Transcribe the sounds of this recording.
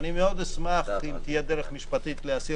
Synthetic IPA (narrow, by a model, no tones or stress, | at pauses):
nimeo̞d̪esmaχit̪ijed̪eʁeχmiʃpat̪it̪leasi